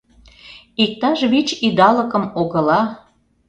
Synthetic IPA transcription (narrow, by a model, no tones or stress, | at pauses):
ik̚t̪ɑʒβit͡ɕid̪ɑləkə̆moɣə̆lɑ